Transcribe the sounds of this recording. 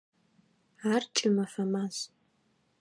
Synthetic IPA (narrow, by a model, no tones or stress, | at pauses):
art͡ʃʰʼɪmɐfɐmaz